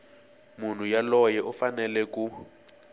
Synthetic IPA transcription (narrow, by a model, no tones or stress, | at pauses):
mun̤ujalɔjɛʔufanɛlɛku